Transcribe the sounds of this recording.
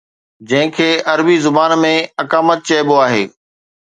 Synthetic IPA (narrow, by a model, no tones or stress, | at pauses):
d͡ʑɐ̃ɦɪ̃kʰeːɐɾbizʊbaːnmẽɐkaːmət̪̚t͡ɕɐːboaːɦḛː